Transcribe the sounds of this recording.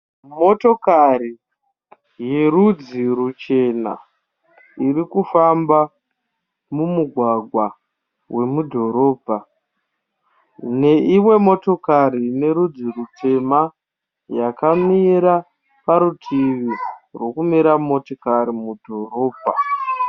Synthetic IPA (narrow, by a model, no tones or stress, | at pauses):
mo̞to̞kari | je̞ɾud͡zirut͡ʃe̞na̰ | iɾikufamba | mumuɡʱwaɡʱwa | we̞mudʱo̞ɾo̞ːbʱa | ne̞ʔimwe̞mo̞to̞kaɾine̞ɾud͡zirute̞ma | jakamiɾa | paɾutʰiʋirwo̞kumiɾamo̞tokaɾimudʱo̞ɾo̞ːbʱa